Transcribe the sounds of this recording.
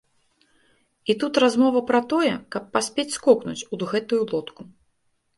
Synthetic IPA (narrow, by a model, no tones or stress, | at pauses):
it̪ut̪razmɔvɐpɾɐt̪ɔjɛkɐpːasʲpʲet͡sʲskɔknṵt͡sʲud̪ɣɛt̪ujulˠɔt̪ku